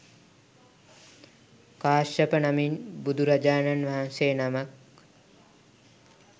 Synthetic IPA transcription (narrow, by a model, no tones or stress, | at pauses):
kaːʃəpənaminbud̪uɾad͡ʒaːnanʋaɦanseːnamak